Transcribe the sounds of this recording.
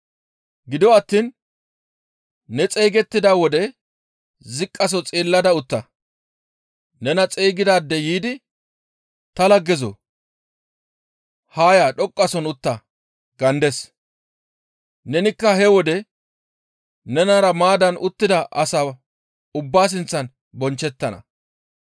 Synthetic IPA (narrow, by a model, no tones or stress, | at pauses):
ɡɪd̪ɔɐt̪ːiːn | ɛt͡sʼɛjɡɛt̪ːɪd̪aːwɔd̪ɛ | zɪkʼːɐs̬ɔt͡sʼiːlːɐd̪ɐʊt̪ːɐ | nɛnɐt͡sʼɛjɡɪd̪aːd̪ːɛjiːd̪ɪ | t̪ɐlɐɡːɛzɔ̰ | haːjaːɗɔkʼːɐsɔnʊt̪ːɐ | ɡɐnd̪ɛs | nɛnɪkːɐɦɛwɔd̪ɛ | nɛnaɾɐmaːd̪ɐnʔʊt̪ːɪd̪ɐʔɐsaː | ʊbːaːs̬ɪnt͡sːɐn | bɔnt͡ʃːɛt̪ːɐnɐ̰